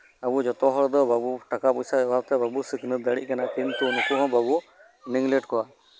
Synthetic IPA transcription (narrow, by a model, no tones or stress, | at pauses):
abud͡ʒɔt̪ɔɦɾd̪ɔbʱabuʈakapɔjsabawt̪ɛbʱabusiknɯd̪əɽḭʔ̚kanakiŋt̪unukuɦɔ̃babu | niŋɡlɛʈkɔa